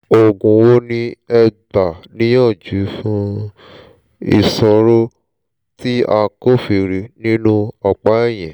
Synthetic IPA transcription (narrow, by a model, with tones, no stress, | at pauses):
o˨ɡũ˨wo˦nĩ˦ɛ˧ba˨nĩ˦j̃ã˦˨d͡ʒu˨˦fũ˦ | ḭ˧sɔ˧ɾo˦ | ti˦a˧ko˦fi˧˨ɾi˨˦nĩ˦nũ˦ɔ˧k͡pa˨˦ɛ˦˨j̃ɛ̃˨